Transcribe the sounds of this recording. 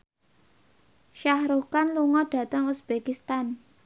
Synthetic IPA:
ʃahɾukanluŋɔɖ̥ä̤t̪əŋusb̥ekist̪an

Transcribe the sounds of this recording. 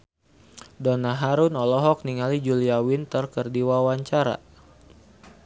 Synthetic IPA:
dɔnaɦaɾunɔlɔɦɔk̚niŋalid͡ʒuliawɪnt̪ərkərdiwawaɲt͡ʃaɾa̰

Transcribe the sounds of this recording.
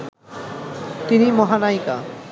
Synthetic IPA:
t̪inimɔɦanajka̰

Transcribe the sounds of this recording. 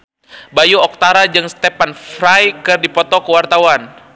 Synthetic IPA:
bajuɔk̚t̪aɾad͡ʒɨŋst̪epanfɾajkɨrdipɔt̪ɔkəwart̪awan

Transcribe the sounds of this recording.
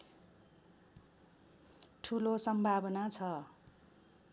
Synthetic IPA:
ʈʰulosʌmbʱabʌnat͡sʰʌ

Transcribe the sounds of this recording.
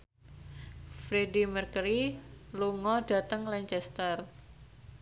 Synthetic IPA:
fɾedimərkəɾiluŋɔɖ̥a̤t̪əŋlaɲt͡ʃɛst̪ər

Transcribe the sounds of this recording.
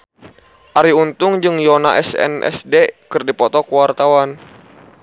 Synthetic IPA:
ʔaɾiunt̪uŋd͡ʒɨŋjonaʔɛsɛ̰nɛ̰sdekɨrdipɔt̪ɔkuwart̪awan

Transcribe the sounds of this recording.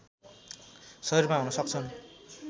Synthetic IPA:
sʌirmaɦunʌsʌk̚t͡sʰʌn

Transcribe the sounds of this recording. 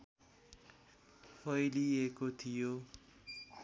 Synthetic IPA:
pʰʌjliekot̪ʰijo

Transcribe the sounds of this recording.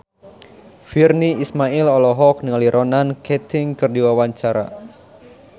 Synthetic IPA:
firniismailɔlɔɦɔk̚niŋaliɾʔɔnankɛt̪ʰɪŋkɨrdiwawaɲt͡ʃaɾa̰

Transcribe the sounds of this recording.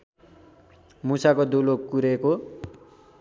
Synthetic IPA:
musakod̪ulokkuɾeko

